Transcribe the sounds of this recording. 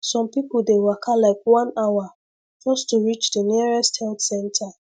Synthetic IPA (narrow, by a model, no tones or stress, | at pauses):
sɔ̃mpipl̩dewakʰalaɪkwãnawa | d͡ʒɔstuɹit͡ʃdəniɹɛsthɛltsɛ̃ntʰa